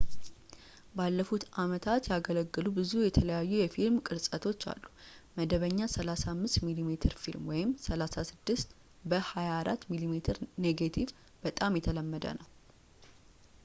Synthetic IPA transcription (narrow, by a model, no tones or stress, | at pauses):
balːəfut̪ʔamət̪ʰat̪jaɡələɡːɨlubɨzujɛt̪ʰələjajːujɛfilmkʼɨɾsʼət̪ʰo̞t͡ʃːa̰lːuməd̪əβəɲːasəlasamːɨst̪milimet̪ʰɨɾfilmwɔjɪmsəlasasɨd̪ːɨst̪ | bəhajaːɾʔat̪ːmilimet̪ʰɨɾneɡat̪ʰiv | b̥ət̪ʼamjɛt̪ʰələmːəd̪ə̰nəw